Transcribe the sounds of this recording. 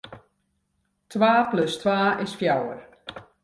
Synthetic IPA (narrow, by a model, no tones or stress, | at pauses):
tʰwaːplɵstwaːɪsfjawə̰r